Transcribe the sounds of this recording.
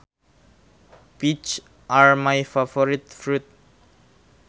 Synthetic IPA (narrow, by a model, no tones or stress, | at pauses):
b̥it͡ʃ | ʔaɹmajfafɔɾit̪fɾut̪̚